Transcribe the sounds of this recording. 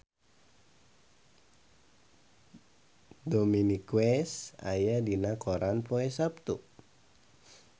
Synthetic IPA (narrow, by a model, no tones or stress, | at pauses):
dominikwɛsa̰jadinakoɾanpɔɛsap̚t̪u